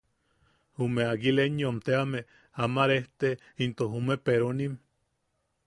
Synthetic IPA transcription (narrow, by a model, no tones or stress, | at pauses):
humeaɡileɲjomt̪eame | amaɾeht̪e | int̪oɦumepeɾonim